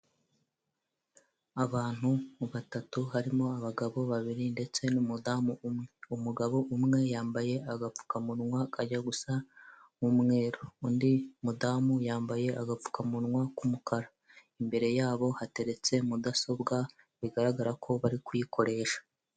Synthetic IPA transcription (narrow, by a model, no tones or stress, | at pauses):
aβaːn̥huβatatuɦaɾimo̞aβaɡaβo̞βaβiɾinde̞t͡se̞numudamuumŋe̞umuɡaβo̞ʔumŋe̞jaːmbaje̞aɡap͡fu̥kamuɾŋwakaɟaɡusa | mumŋe̞ːɾoundimudamujaːmbaje̞ʔaɡap͡fu̥kamuɾŋwakumukʰaɾa | imbe̞ɾe̞jaːβo̞hate̞ɾe̞t͡se̞mudaso̞bɡa | βiɡaɾaɡaɾakʰo̞βaɾikwujikʰo̞ɾe̞ːʃḁ